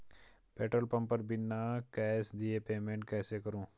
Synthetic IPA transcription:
peːʈɾəlpɐ̃mpəɾbɪnːakɛːsd̪iepeːmẽːɳʈ̚kɛːsekɐɾũː

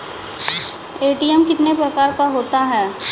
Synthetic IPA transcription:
eːʈiɛmkɪt̪nepɾɐkaːɾkaɦoːt̪aɦɛː

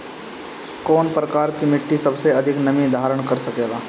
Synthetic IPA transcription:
koːnpɾɐkaːɾkimɪʈːisɐbseɐd̪ʱɪknɐmid̪ʱaːɾəɽ̃kɐɾsɐkeːɡaː

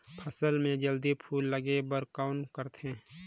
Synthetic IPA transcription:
pʰəsəlmẽd͡ʒəld̪ipʰuːlːəɡebəɾkaːnkəɾt̪ẽ

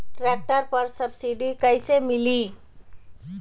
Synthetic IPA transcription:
ʈɾak̚ʈəɾpəɾsəbsiɖikəjsemili

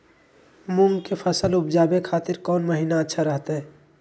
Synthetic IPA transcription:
mʊŋɡkefʰɐsəlʊbd͡ʒaːbekʰaːt̪ɪɾkɔːnməɦiːnaɐtːʃʰaɾəɦt̪aɦɛː

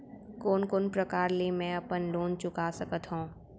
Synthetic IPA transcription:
koːnkoːnpɾɐkaːɾlemɛ̃ɐpənloːnt͡ʃʊkasɐkət̪ɦõː

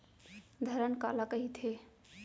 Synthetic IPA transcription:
d̪ʱəɾənka̰lakəɦit̪ʰe

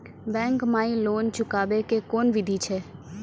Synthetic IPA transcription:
bɛ̃ːŋkmaːĩloːnt͡ʃʊkaːbekekoːnʋɪd̪ʱit͡ʃʰɛː

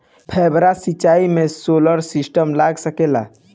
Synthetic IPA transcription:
pʰɛbɾasit͡ʃːaimesoləɾsisʈəmlaɡsəkela̰

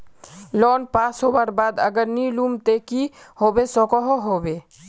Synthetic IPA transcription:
lɔːnpaːsɦobaɾbaːd̪ə̰ɡəɾnilumt̪eːkihoːbesɔkɔɦoɦoːbeː

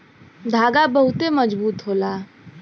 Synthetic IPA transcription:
d̪ʱaːɡabəɦʊt̪eməd͡ʒbuːt̪ɦoːlaː

